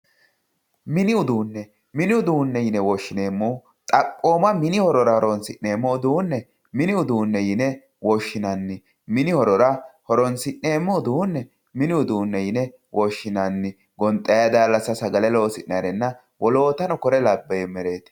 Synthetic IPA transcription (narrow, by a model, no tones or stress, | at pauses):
mɪnɪʊd̪uːnːɛ | mɪnɪʊd̪uːnːɛjɪnɛwɔʃːɪneːmːuː | t̪ʼɐpʼːo̞ːmɐmɪnɪhɔɾɔɾɐhɔɾɔnsɪʔneːmːɔʊd̪uːnːɛ | mɪnɪʊd̪uːnːɛjɪnɛ | wɔʃːɪnɐnːɪ | mɪnɪhɔɾɔɾɐhɔɾɔnsɪʔːeːmːɔʊd̪uːnːɛ | mɪnɪʊd̪uːnːɛjɪnɛ | wʔɔʃːɪnɐnːɪ | ɡɔnt̪ʼːɐjɐd̪aːlːɐsɐsɐɡɐlɛlo̞ːsɪnnɐɾɛnːɐ | wɔlo̞ːt̪ɐnɔkɔɾɛlɐbːɐjɛmɛɾeːt̪ɪ̥